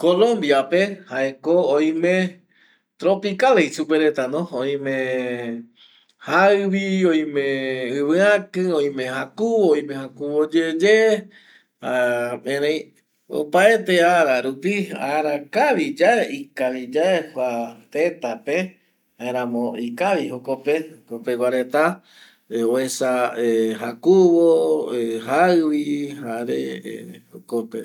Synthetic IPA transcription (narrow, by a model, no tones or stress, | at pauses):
kolõmbjape̞haekooĩmẽ | t̪ɾopikalejsupeɾet̪anõoĩmẽ | haɨʋiõĩmẽɨβɨãkɨõĩmẽ̞ɦakuooĩmẽhakuβod͡ʒed͡ʒe | haẽɾãj̃ | o̰paet̪eaɾaɾupia̰ɾakaβid͡ʒaeikaβid͡ʒaekʷat̪et̪ape | haeɾ̃ãmõikaβiɦokopehkopewʷaɾet̪a | oesaeɦakuβoeɦaɨβihaɾḛokopḛ